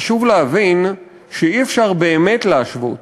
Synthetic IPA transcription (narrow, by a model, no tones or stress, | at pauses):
aʃuvleavin | ʃeiefʃaʁbe̞ːme̞tleaʃvo̰t